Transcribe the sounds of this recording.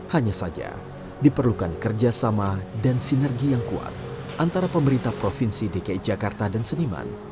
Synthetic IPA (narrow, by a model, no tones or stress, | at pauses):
haɲasad͡ʒa̰ | dipərlukankərd͡ʒasamadansinɛrɡijaŋkua̰t̪̚ | ʔant̪aɾapəməɾint̪ahpɾofinsidekaid͡ʒakart̪adansənima̰n